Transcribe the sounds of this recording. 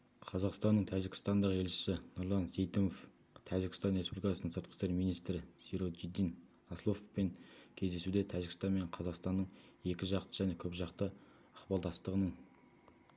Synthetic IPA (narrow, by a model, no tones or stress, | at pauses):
qʰɑzɑqst̪ɑnːəɴt̪ʰæʒɪɡkʲɪ̥st̪ɑnd̪əʁe̞lt͡ʃɪ̥sɪnʊɾlˠɑnse̞jt̪omof | t̪ʰæʒɪkʲɪst̪ɑnrespublikɑsənəɴsəɾt̪qə̥st̪e̞ɾmijnijst̪ɾɪsiɾot̪ʒid̪ːin | ɑslˠofpe̞ŋkʲʰe̞zd̪e̞sud̪et̪ʰæʒɪɡʲɪ̥st̪ɑnme̞ɴqʰɑzɑqst̪ɑnːəɴe̞kʲɪʒɑqt̪əʒæne̞kʲʰɵpʒɑqt̪ə | əqbɑlˠd̪ɑst̪əʁənəɴ